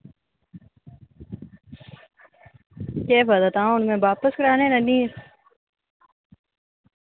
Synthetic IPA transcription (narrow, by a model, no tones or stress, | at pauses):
keːbəd̪ət̪ãːʊnmẽːbaːpəskəɽaːnẽːnəniːɾ